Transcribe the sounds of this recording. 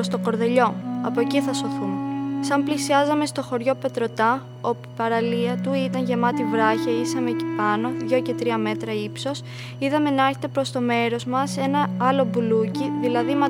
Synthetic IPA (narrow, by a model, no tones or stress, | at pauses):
ost̪o̞ko̞ɾðe̞ʎo̞ɐpo̞ciθɐso̞θumesɐmplisiɐzɐme̞st̪o̞xo̞ɾʝo̞pe̞t̪ɾo̞t̪ɐ | o̞pupɐɾɐliɐt̪uit̪ɐnʝemɐt̪ivɾɐçɐisɐme̞cepɐno̞ðʝo̞ce̞t̪ɾiɐme̞t̪ɾɐipso̞s | iðɐme̞nɐeɾçet̪epɾo̞st̪o̞me̞ɾo̞zmɐse̞nɐɐlo̞buluciðilɐðimɐ